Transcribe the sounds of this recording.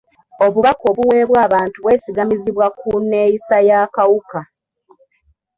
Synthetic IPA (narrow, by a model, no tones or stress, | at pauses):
o̞βuβako̞ːβuwe̞ːβwaːβaːntuβwe̞ːsiɡamiziβwakune̞ːjisajakawuka